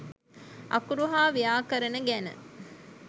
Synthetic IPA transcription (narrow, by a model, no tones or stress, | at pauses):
ʔɐ̰kuɾuɦaːʋijaːkəɾɐnəɡænə̰